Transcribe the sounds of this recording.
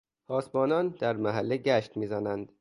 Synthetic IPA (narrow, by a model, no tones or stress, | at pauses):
hɒːsbɒːnɒnd̪̥æɾmæɦælːeɟæʃt̪miːzænænd̪̥